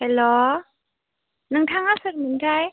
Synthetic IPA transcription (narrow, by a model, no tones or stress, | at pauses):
hɛlɔ | nɯŋtʰaŋasɯɾmɯndʰaj